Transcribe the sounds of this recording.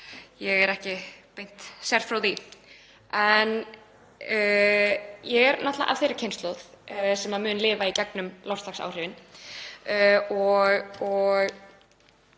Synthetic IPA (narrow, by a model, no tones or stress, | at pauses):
jɛɣɛɾɛhcɪpejn̥t̪sɛɾ̥fɾawði | ɛnː | jɛɣɛɾnaht̪la̰ʔa̰vθejɾɪ̥cʰejnst̪lɔθsɛmaðmʏːnlɪːvaicɛknʏmlawrst̪laxsa̰ːwr̥ɪvɪn | ɔɣɔɣ